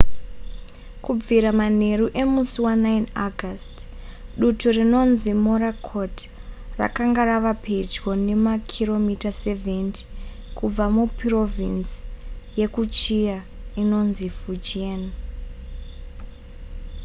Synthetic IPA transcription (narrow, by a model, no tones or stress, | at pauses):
kub͡viɾamane̞ɾuʔe̞musuwanainaɡʱast | ɗuturino̞nzimoɾakʰot | ra̰kaŋɡaraʋapʰe̞d͡ʒɡo̞ne̞makʰiro̞mitase̞venti̥ | kub͡vamupro̞vinsje̞kut͡ʃija | ino̞nzivud͡ʒien